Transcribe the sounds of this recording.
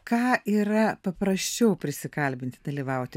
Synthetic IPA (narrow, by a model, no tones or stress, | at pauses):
kɑːʔiːɾɐpɐpɾɐʃʲt͡ʃʲɛʊpʲɾʲɪsʲɪkɐlʲbʲɪnt̪ʲd̪ɐlʲɪʋɐʊt̪ʲɪ